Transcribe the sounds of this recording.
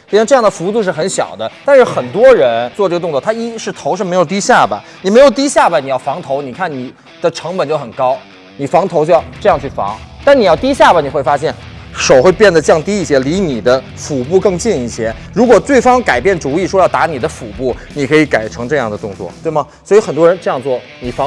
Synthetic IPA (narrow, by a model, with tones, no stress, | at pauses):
jʈ͡ʂɤ˥˧jɑ˥˩ŋd̪ə˩fu˧˥u˥˩u˥˧ʂɻ̩˥˩xə˧˥nɕjɑ̰˨˩ʊd̪ə˦t̪a˥˧nʂɻ̩˥˩xə˨˩nt̪wɔ˥ɻə˧˥nt͡swɔ˥˧ʈ͡ʂɤ˥˩ɡə˧ʊ˥˧t͡swɔ˥˩t̪ʰa˥i˥ʂɻ̩˥˩t̪ʰo˧˥ʊʂɻ̩˥˩me˧˥jʊt̪i˥ɕja˥˩bɐ̰˩ni˨˩me˧˥ɪjo˨˩ʊt̪̬i˥ɕja˥˩bɐ˩ni˨˩jɑ˥˩ʊfɑ˧˥ŋt̪ʰo˧˥ʊni˨˩kʰa˥˩nni˨˩ | d̪̥ə˦ʈ͡ʂʰɤ˧˥ŋpə˨nt͡ɕjo˥˩ʊxə˨˩nkɑ˥ʊ | ni˨˩fɑ˧˥ŋt̪ʰo˧˥ʊt͡ɕo˥˧jʈ͡ʂɤ˥˧jɑ˥˧ŋt͡ɕʰy˥˩fɑ̰˧˥ŋt̪a˥˩ni˨˩jɑ˥˩ʊt̪i˥ɕja˥˩bɐ˩ni˨˩xwɪfa˥ɕ̬jɛ˥˩nʂo˨˩ʊxwe˥˧ɪpjɛ˥˩nd̪ə˩t͡ɕjɑ˥˧ŋt̪i˥i˥˩ɕjɛ˥li˧˥ni˨˩d̪ə˦ | fu˨˩pu˥˧kɤ˥˧ŋt͡ɕi˥˧ni˥˩ɕjɛ˥ | ɻu˧˥kwɔ˨˩t̪we˥˩ɪfɑ˥ŋka˨˩ɪpjɛ˥˩nt͡su˧˥i˥˩ʂwɔ˥jɑ˥˩ʊt̪a˧˥ni˨˩d̪ə˦fu˨˩pu˥˩ni˨˩kʰɤ˧˥i˧˥ka˨˩ɪʈ͡ʂʰɤ˧˥ŋʈ͡ʂɤ˥˧jɑ˥˩ŋd̪ə˩t̪ʊ˥˧ŋt͡swɔ̰˥˩t̪we˥˩ɪmɐ˩swɔ˧˥i˧˥xə˨˩nt̪wɔ˥ɻə˧˥nʈ͡ʂɤ˥˧jɑ˥˧ŋt͡swɔ˥˩ | ni˨˩fɑ˧˥ŋ